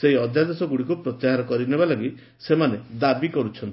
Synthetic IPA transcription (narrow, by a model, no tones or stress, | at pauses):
seɦiɔd̪ʱjad̪esɔɡuɽikupɾɔt̪jaɦaɾɔkɔɾinebalɔɡi | semaned̪abikɔɾut͡ʃʰɔnt̪i